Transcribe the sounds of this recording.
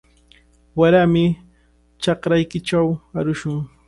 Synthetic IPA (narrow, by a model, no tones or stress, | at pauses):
waɾamɪ | t͡ʃɑkɾajkɪt͡ʃawaɾʊʃʊŋ